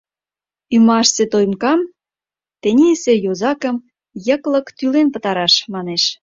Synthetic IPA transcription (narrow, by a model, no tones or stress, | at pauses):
ymɑʃset̪ojmkɑm | t̪enʲisejozɑkəm | jə̆klə̆kt̪ylenpə̆t̪ɑɾɑʃmɑneʃ